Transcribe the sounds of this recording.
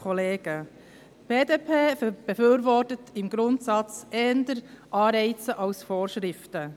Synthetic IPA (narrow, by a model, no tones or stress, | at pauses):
ɔleːɡ̥ə | b̥eːdeːpʰeːb̥efyːɾvɔrtətʰɪmɡɾʊntsɑt͡sɛndəɾʔɑːɾɛɪt͡səʔɑʊsfoːɾʃɾɪftə